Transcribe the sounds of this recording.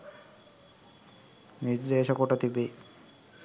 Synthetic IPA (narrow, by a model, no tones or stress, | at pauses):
niɾd̪eʃɔkoʈat̪ibe